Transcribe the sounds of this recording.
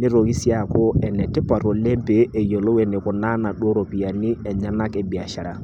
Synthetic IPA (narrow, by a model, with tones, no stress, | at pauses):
nɪ˦ɾo˨ɣi˦sja˦˨ko˦ɛ˨nɛ˨te˦pa˨ɾo˨le˦mpe˨ʔːjo˨lo˦wɛ˨ne˨kʊ˨na˦na˨ɗwo˦ɾo˨pi˨a˨ni˦ɛ˨ɲa˦na˦ke˨ba˨ʃa˨ɾa˨